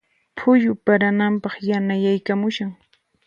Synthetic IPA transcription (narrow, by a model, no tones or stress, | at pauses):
pʰʊjʊpaɾanampɑχjanajajkamʊʃaŋ